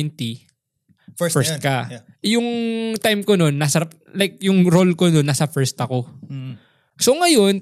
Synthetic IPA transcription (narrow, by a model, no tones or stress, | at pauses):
ɪnt̪i | fɛɹst̪̚kɐ | jʊŋt̪ajmkononːɐsɐɾap̚ | lajk̚jʊŋɾolkononːasɐfɛɹst̪ɐko̞ | so̞ŋɐjo̞n